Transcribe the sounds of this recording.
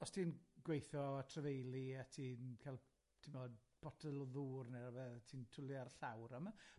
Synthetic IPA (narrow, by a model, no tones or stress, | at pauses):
ɔstʰiːnɡwejθɔatʰrəvejlˠiatʰiːnkʰalˠ | tʰɪmɔd̚b̥ʰɔtʰəlˠɔðuːrnɛɾavɛðtʰiːntʰʊlˠiarɬawɾəma